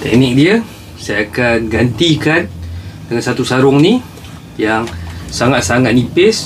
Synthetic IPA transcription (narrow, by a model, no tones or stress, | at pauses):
t̪ɛ̰k̚nɪk̚diə | sajaakanɡant̪ikandəŋansat̪usaɾʊŋni | jaŋsaŋat̪̚saŋat̪̚nipɪs